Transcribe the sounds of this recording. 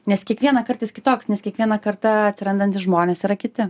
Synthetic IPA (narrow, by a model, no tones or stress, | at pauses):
nʲɛskʲiɛkʋʲiɛnɐkɐrt̪ɐɪskʲɪt̪oːksnʲɛskʲiɛkʋʲiɛnɐkɐɾt̪ɐɐt̪ʲsʲɪɾɐnd̪ɐnt̪ʲɪʒmoːnʲeːsiːɾɐkʲɪt̪ʲɪ